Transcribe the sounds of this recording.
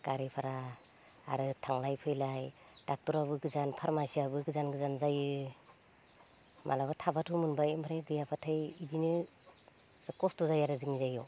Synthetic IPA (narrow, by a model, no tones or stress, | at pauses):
kaɾipʰaɾa | a̰ɾɯtʰaŋlajpʰɯjlaj | d̥ak̚tɔɾaβɯɡɯzanpʰaɾmasiabɯɡɯzanɡɯzanzajɯ | mʔa̰labatʰabatʰumɯnbajmaɾajbɯjapʰatʰajidinɯ | z̥akɔstɔzajaɾɯzɯŋizajɔ